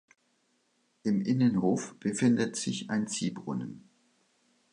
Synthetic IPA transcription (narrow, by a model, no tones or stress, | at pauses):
ʔɪmʔɪnənhoːfb̥əfɪndətz̥ɪça̰ɪnt͡siːbʁʊ̰nən